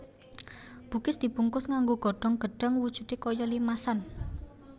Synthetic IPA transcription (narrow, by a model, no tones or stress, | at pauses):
b̥ṳkɪsd̪̥i̤puŋkʊsŋaŋɡoɡ̥ɔ̤ɖ̥ɔŋɡ̥ə̤ɖ̥a̤ŋwud̥ʒ̥ṳt̪ekojɔlimasan